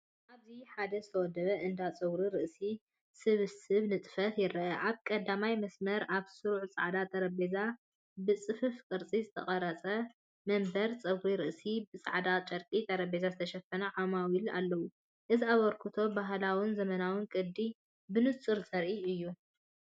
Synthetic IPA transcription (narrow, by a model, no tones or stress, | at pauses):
ʔaβziħad̪ɐzɨt̪ʰɐwɔd̪ɐβɐʔɨnd̪at͡sʼɨwɾiɾɨʔsi | sɨβɨsɨβnɨt̪ʼɨfɐt̪jɪɾɐʔɐʔaβkʼɐd̪amajmɐsmɐɾaβsɨɾʕt͡sʼa̰ʕd̪at̪ʼɐɾɐbeza | bɨt͡sʼɨfɨfkʼɨɾt͡sʼizɨt̪ʰɐχʼɐɾɐt͡sʼɐ | mɐmbɐɾt͡sʼɐwɾiɾɨʔsibɨt͡sʼa̰ʕd̪at͡ʃʼɐɾkʼit̪ʼɐɾɐbezazɨt̪ʰɐʃɐfɐnɐʕamawila̰lːɐwu | ʔɨziaβɐɾkʰɨt̪ʰo̞baɦlawɨnzɐmɐnawɨnkʼɨd̪ːi | bɨnɨt͡sʼɨɾzʼɐɾʔiɨjːu